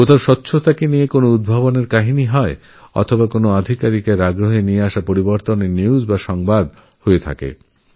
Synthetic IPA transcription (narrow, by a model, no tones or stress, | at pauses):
kot̪ʰaoʃɔtːɕʰot̪akenijekonoud̪̚bʱaboneɾkaɦiniɦɔe | ɔ̰t̪ʰobakonoad̪ʱikaɾikeɾaɡɾoɦenieaʃapoɾiboɾt̪oneniuzbaʃɔŋbad̪ | hoet̪ʰa̰kḛ